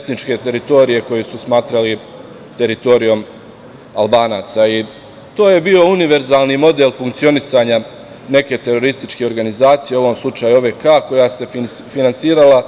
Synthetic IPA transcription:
et̪nit͡ʃke̞t̪e̞ɾit̪o̞ɾije̞ko̞jesusmaːt̪ɾali | t̪e̞ɾit̪o̞ɾijo̞m | alˠbaːnaːt̪sai | t̪o̞ːje̞biːo̞uniʋe̞ɾzaːlˠnimo̞d̪e̞lˠfuŋkt̪sio̞nisaːɲa | ne̞ke̞t̪e̞ɾo̞ɾist̪it͡ʃke̞oɾɡanizaːt̪sijeo̞ʋo̞ːmslˠut͡ʃaːjuoʋekaːko̞jase̞ | finansiːɾala

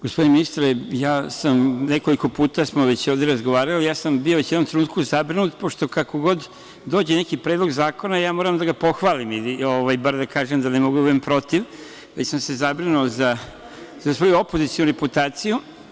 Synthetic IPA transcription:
ɡ̥ospo̞d̪ineminist̪ɾejaːsamne̞ko̞liko̞puːt̪asmo̞ʋet͡ɕjoʋd̪eɾazɡoʋaːɾalijaːsambio̞ʋet͡ɕjɛd̪omt̪ɾenuːt̪kuzabɾinut̪po̞ʃt̪o̞kako̞ɡo̞d̪ | d̪oːd͡ʑene̞kipɾeːd̪lo̞ɡzaːko̞najaːmoːɾamd̪aɡapo̞xʋaːlimilioʋajbaɾd̪akaːʒemd̪anemo̞ɡud̪uempɾo̞t̪iʋ | ʋet͡ɕsamse̞zabɾinuoza | zasʋo̞juo̞po̞zit̪sijonuɾeput̪aːt̪siju

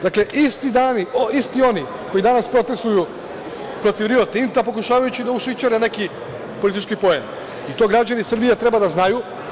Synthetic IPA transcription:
d̪akle̞ʔist̪id̪aːniʔoist̪io̞ni | ko̞jid̪anaspɾo̞t̪e̞st̪uju | pɾo̞t̪iʋɾiot̪int̪apo̞kuʃaːʋajut͡ɕid̪auʃit͡ʃaɾene̞ki | polit̪it͡ʃkipo̞jen | it̪o̞ɡɾad͡ʑanisr̩bijet̪ɾe̞bad̪aznaju

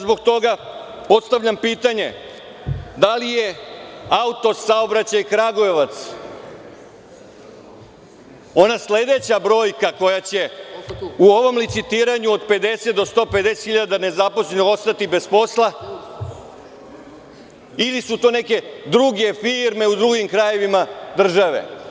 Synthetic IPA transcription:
zbo̞ɡ̚t̪o̞ɡa | po̞t̪st̪aʋʎʲampiːt̪aɲe̞ | d̪alije̞aut̪o̞sao̞bɾat͡ɕajkɾaɡoeʋat̪s | o̞nasle̞d̪e̞t͡ɕabɾo̞ːjkako̞jat͡ɕe̞ | uo̞ʋo̞mlit̪sit̪iːɾaɲuod̪pe̞d̪e̞se̞t̪̚d̪ost̪o̞ːpe̞d̪e̞set̪xiʎad̪ane̞zaposlenoo̞st̪at̪ibe̞spo̞slˠa | ilisut̪o̞ːne̞ke̞d̪ɾuɡe̞fiːɾme̞ud̪ɾuɡimkɾaje̞ʋimad̪r̩ʒaʋe̞̰

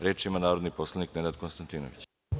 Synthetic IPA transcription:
ɾeːt͡ʃimanaːɾod̪nipo̞slˠanikned̪ad̪̚konst̪ant̪iːno̰ʋḭt͡ɕ

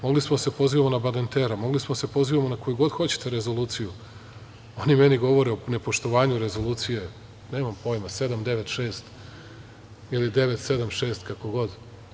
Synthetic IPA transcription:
mo̞ɡlismose̞po̞ziʋamonabalent̪eɾamo̞ɡlismose̞po̞ziʋamonako̞juɡo̞d̪xo̞t͡ɕe̥t̪e̞ɾe̞zo̞lˠuːt̪siju | o̞nime̞niɡo̞ʋo̞ɾeone̞po̞ʃt̪o̞ʋaːɲuɾe̞zo̞lˠuːt̪sije | ne̞ːmampo̞jmase̞d̪amd̪e̞ʋet̪ʃe̞ːst̪ | ilid̪e̞ʋe̞t̪se̞d̪amʃe̞ːst̪kako̞ɡo̞d̪

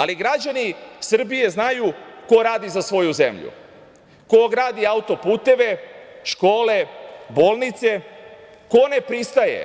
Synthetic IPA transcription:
aliɡɾad͡ʑanisr̩bije̞znajuko̞ɾaːd̪izasʋo̞juze̞̰mʎṵ | ko̞ɡɾaːd̪iaut̪o̞puːt̪e̞ʋe̞ʃko̞ːle̞bo̞ːlˠnit̪se̞ | ko̞ne̞pɾist̪aje̞̰

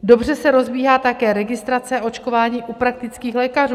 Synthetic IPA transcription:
do̞br̝ɛsɛɾo̞zbiːɦaːt̪akɛːɾɛɡɪst̪ɾat͡sɛao̞t͡ʃko̞vaːɲiːʔupɾak̚t̪ɪt͡skiːxlɛːkaruː

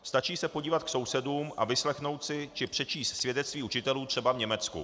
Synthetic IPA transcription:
st̪at͡ʃiːsɛpo̞ɟiːvat̪̚kso̞wsɛduːmʔa̰vɪslɛxno̞wt̪sɪt͡ʃɪpr̥ɛt͡ʃiːst̪svjɛdɛt͡st̪viːut͡ʃɪt̪ɛluːt̪r̥ɛbavɲɛmɛt͡skṵ

